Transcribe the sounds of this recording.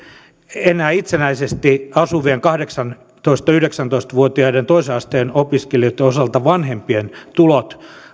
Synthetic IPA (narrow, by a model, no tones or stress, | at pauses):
enːæːit̪senæisest̪iɑsuʋieŋkɑhdeksɑn | t̪oist̪ɑyhdeksænt̪oist̪ʋuot̪iɑident̪oiseɑst̪eːnopiskeliot̪ːeosɑlt̪ɑʋɑnhempient̪ulot̪